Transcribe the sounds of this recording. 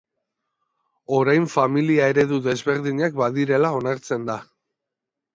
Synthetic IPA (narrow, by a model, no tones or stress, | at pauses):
o̞ɾajɱfamiliae̞ɾe̞ðuðe̞zβe̞ɾðiɲak̚baðiɾe̞lao̞naɾt͡se̞nd̪a